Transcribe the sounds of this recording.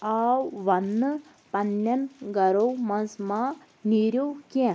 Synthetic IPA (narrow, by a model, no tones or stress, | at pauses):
awʋɐnː | pɐnːjɐnɡɐɾowmɐnzma | niɾjokẽ